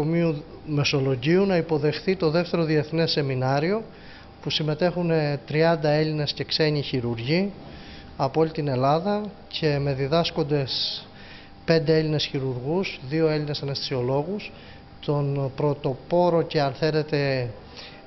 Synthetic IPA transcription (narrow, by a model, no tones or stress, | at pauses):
omiu | me̞so̞lo̞ʝiunɐipo̞ðe̞xθit̪o̞ðe̞ft̪e̞ɾo̞ðie̞θne̞sːe̞minɐɾio̞ | pusime̞t̪e̞xunet̪ɾiɐnd̪ɐe̞ʎine̞sce̞kse̞ɲiçiɾuɾʝi | ɐpoo̞lʲit̪ine̞lɐðɐ | cʰe̞me̞ðiðɐsko̞nd̪e̞s | pe̞nd̪e̞e̞line̞sçiɾuɾɣusðio̞e̞ʎine̞sɐnest̪i̥sio̞lo̞ɣus | t̪o̞npɾo̞t̪o̞po̞ɾo̞ce̞ɐnθe̞ɾe̞t̪e̞